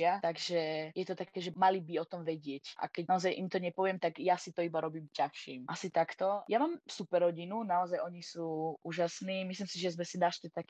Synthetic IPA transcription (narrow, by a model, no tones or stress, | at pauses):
at̪aɡʒɛjɛt̪ɔt̪akɛːʒɛmalibiɔt̪ɔmʋɛɟɪɛcʔa̰kɛɟnaɔzajʔimt̪ɔɲɛpɔʋɛmt̪aɡjasit̪ɔibaɾɔbiːmcaxʃḭːmʔasit̪akt̪ɔjamaːmsupɛɾɔɟinunaɔzajɔɲisuːʔuːʒasniːmisliːmsiʒɛzmɛsid̪aʃt̪ɛt̪ak